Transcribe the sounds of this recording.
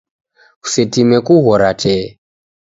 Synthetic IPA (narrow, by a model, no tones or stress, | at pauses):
ku̥sɛtimɛkuɣɔɾatɛ